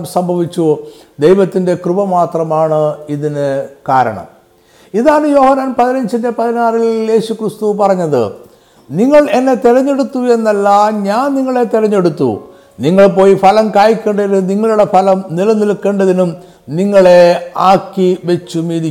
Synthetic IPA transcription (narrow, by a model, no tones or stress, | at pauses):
msɐmbʱɐʋit͡ɕːu | d̪ejʋɐt̪ːinde̞krubɐmaːt̪rɐmaːɳɨiðinɨkaːɾɐ̰ɳɐ̰m | iðaːɳɨjo̞ːhɐnːaːnpɐðinɐɲd͡ʑinde̞pɐðinaːrilje̞ːɕukrɨst̪upɐrɐɲːɐðɨ̰ | niŋːɐɭe̞nːe̞t̪iɾɐɲːe̞ɽut̪ːue̞nːɐlːɐɲaːnniŋːɐɭe̞t̪iɾɐɲːe̞ɽut̪ːṵ | niŋːɐɭpo̞ːjifɐlɐmkaːjikʲːeːɳɖɐinuniŋːɐɭuɽe̞fɐlɐmnilɐnilkːeːɳɖɐðinum | niŋːɐɭe̞aːkːiʋe̞t͡ɕːumiːɾi